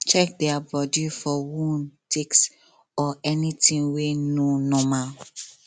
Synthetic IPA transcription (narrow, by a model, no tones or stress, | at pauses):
t͡ʃɛk̚dɛabɔdifɔwũntʰiks | ɔɛnĩtʰĩŋwenõnɔ̃mal